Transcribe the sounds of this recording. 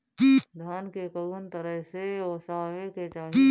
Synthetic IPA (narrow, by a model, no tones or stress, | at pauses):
d̪ʱjaːnkekənt̪əɾəɦseɔːsaːʋeket͡ʃaːɦi